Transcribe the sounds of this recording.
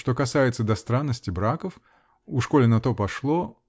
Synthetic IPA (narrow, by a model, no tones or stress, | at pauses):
ʂt̪o̞kɐsajɪt̪səd̪ɐst̪ɾanːəsʲtʲɪbɾakəf | ʊʂko̞lʲɪnɐt̪o̞pɐʂlˠo